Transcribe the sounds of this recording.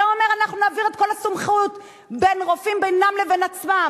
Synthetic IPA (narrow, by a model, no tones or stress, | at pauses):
oomeʁanaχnunaːviʁet̪̚ko̞lhasumχut | be̞nʁofimbejnamlevenat͡sma